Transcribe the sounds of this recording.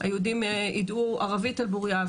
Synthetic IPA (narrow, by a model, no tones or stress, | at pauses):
a̰jeudimʔiduaʁavitalbuʁja